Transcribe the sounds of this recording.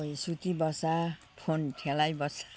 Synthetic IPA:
ojsut̪ibʌsa | pʰontʰelajbʌsḁ

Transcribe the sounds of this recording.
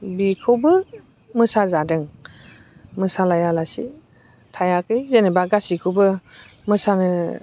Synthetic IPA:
bikʰɯwbɯ | mɯsazadɯŋ | mɯsalajalasḭ | tʰajakɯjzenebaɡasikʰɯwbɯ | mɯsanɯ

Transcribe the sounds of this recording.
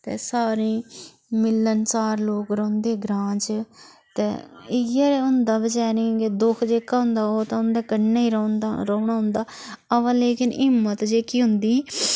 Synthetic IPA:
t̪ḛːsaːɾĩː | mɪlːənt͡ʃaːɾloːkɾõːnd̪eːɡɾãːt͡ʃ | t̪ḛːɪaːɾeʊnd̪aːbəd͡ʒɛːɾẽːɡeːd̪ʊkʰd͡ʒeːkːaːɦʊ̃nd̪aːoːt̪ãːʊnd̪eːkənneːiːɾonaɾoːɳaːɦʊ̃nd̪aːəʋãːleːkɪnɪmːət̪d͡ʒeːkiːɦʊnd̪ĩː

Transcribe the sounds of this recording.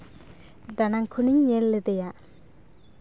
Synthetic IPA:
d̪anaŋkʰuniɲːelːed̪ɛja

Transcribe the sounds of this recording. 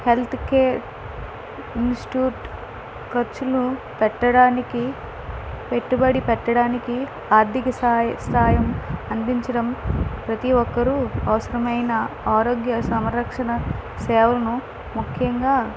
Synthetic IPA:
he̞lt̪ʰkeː | insʈi̥ʈjuːʈ | kɐɾt͡ʃulnu | pɛʈːɐɽaːniki | peʈːubɐɽipɛʈːɐɽaːniki | aːɾd̪ikɐsast̪aːjɐmɐnd̪iɲt͡ʃɐɽɐmpɾɐt̪iʋɔkːɐɾuɐʋɐsɐɾɐmɐjnɐaːɾoːɡjɐsɐmɐɾɐkʂɐɳɐsɛːʋɐlɐnu | mukʰjɐŋɡaː

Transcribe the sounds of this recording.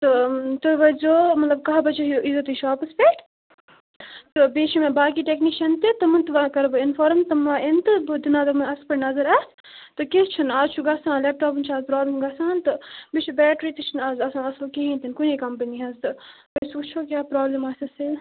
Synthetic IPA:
t̪ɨt̪ɨʋɐzoːmɐt̪lɐb̚kɐɦbɐt͡ʃoɦuʔizot̪iʃaːpɐspeːkʈ | t̪ɨbeːʃʰimẽbaːkiʈekniːʃɐnt̪it̪ɨmɐnt̪ɨʋakɐɾbɨinfoɾmt̪ɨmaʔent̪ɨbɨd̪inaːt̪ɐmɐnɐspɐɾnɐzɐɾɐs | t̪ɨkest͡ʃʰinaːzt͡ʃʰuɡɐsãːnleːp̚ʈoːpɨnt͡ʃʰaːzpɾaːblɐmɡɐsãːnt̪ɨbit͡ʃʰubɛːʈɾiːt̪ɨt͡ʃʰinaːzɐsãːnɐsɨlkiɦint̪inkunikɐmpɐniɦɐzt̪ɨ | bɐjsut͡ʃʰoːkʲjaːpɾaːblemaːsɐsi

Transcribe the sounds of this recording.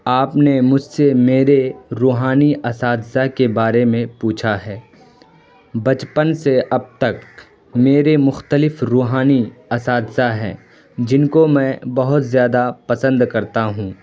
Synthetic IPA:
aːpnemʊd͡ʒʱsemeːɾeɾuːɦaːniʔɐsaːd̪zakebaːɾemẽpuːt͡ʃʰaɦɛː | bɐt͡ʃpənseɐb̚t̪ɐk | meːɾemʊxt̪əlɪfɾuːɦaːniɐsaːd̪zaɦɛ̰̃ː | d͡ʒɪnkomɛ̃ːbɐɦʊt̪zjaːd̪apɐsə̃nd̪kɐɾt̪aɦũː

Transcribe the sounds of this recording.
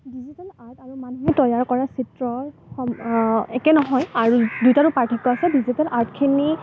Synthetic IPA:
dizitalaɹtaɹumanuɦɛtɔjaɹkɔɹasitɹɔxɔmɛkɛnɔɦɔjaɹudujtaɹʊpaɹtʰikːɔasɛdizitalaɹtkʰini

